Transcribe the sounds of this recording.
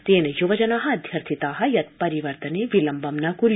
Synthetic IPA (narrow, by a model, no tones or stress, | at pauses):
t̪eːnejuʋɐd͡ʒɐnɐɦɐɐd̪ʱjɐɾt̪ʰit̪aːɦɐjɐt̪̚pɐɾiʋɐɾt̪ɐneʋilɐmbɐmnɐkuɾ